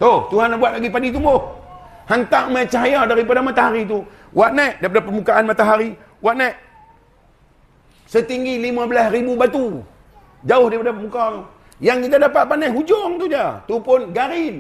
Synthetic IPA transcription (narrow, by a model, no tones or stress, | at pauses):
t̪oht̪uɦanabuat̪̚laɡipadit̪uboh | hant̪aʔmat͡ʃaɦajadaɾipadamat̪aɦaɾit̪̬u | waʔnɛʔdaip̬adapəmbukaʔanmat̪aɦaɾi | waʔnɛʔ | sət̪iŋɡilimabəlasribubat̪u | d͡ʒaʊhdaɾipadapəmbukau | jaŋkit̪adapaʔ̪̚panɛɦud͡ʒʊŋt̪ud͡ʒat̪upʊnɡaɾɪn